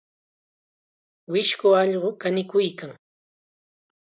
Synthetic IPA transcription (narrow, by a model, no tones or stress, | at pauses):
wɪʃkʊɑʎɢʊkanɪkʊjkaŋ